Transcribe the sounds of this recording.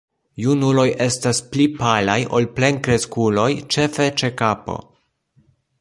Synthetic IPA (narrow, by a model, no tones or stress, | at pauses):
junulo̞je̞stasplipalajo̞lple̞nkɾe̞skulo̞jt͡ʃe̞fe̞t͡ʃe̞kapo̞̰